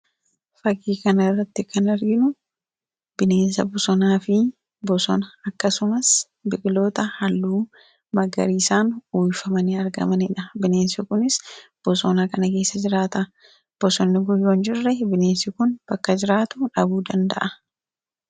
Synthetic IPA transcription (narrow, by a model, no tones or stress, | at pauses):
fɐkːiːkɐnɐrːɐt̪ːɪkɐnɐɾɡɪnʊ | b̥ɪne̞ːnsɐbʊsɔnaːfɪ | bɔsɔnɐɐkːɐsʊmɐs | bɪklo̞ːt̪ɐhɐlːuː | mɐɡɐ̰ɾiːsaːnuːjfɐmɐnɪɐɾɡɐ̰mɐnɪᶑɐbɪne̞ːnsʊkʊnɪsb̥ɔsɔːnakɐnɐkeːsːɐd͡ʒɪɾaːt̪ɐ | b̥ɔsɔnːɪɡʊjːoːnd͡ʒɪrːɛbɪneːnsɪkʊnb̥ɐkːɐd͡ʒɪɾaːt̪ʊᶑɐbuːd̪ɐnd̪ɐ̰ʔɐ